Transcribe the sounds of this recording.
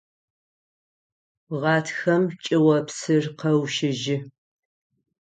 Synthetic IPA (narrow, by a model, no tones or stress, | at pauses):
ʁɑːtʰxɐmt͡ʃʼɪwɐpsɨrqɐwʃɪʒɪ